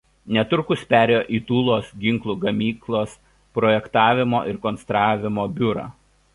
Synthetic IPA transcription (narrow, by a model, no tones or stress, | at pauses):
nʲɛt̪ʊɾkʊspʲæːɾʲejoːʔiːt̪uːlˠoːsɡʲɪŋˑklˠuːɡɐmʲiːklˠoːs | pɾɔːjɛkt̪ɑːʋʲɪmoːʔɪɾkɔnst̪ɾɑːʋʲɪmoːbʲʊɾɑ̰ː